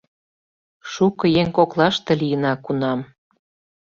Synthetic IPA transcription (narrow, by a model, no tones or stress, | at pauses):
ʃukɤ̆jeŋkoklɑʃt̪ĕlijənɑkunɑm